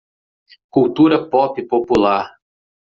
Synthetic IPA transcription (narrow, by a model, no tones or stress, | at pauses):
kuwt̪uɾɐpɔpɪpopulaɾ